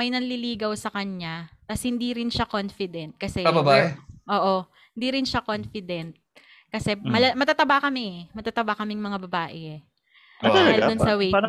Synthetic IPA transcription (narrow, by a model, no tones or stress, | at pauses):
mɐjnɐnliliːɡɐwsɐkɐɲɲat̪ɐshɪnd̪iɾɪnʃakonfɪd̪ɛnt̪̚kɐsɛabɐbaːʔɛʔoːʔo̞ | hɪnd̪iːɾɪnʃakonfɪd̪ɛnt̪̚ | kɐsɛmɐlɐmɐt̪at̪ɐbakɐmɪɛmɐt̪at̪ɐbakɐmɪŋmɐŋabɐbaːʔɛ | daːɪlld̪ʊnsɐwe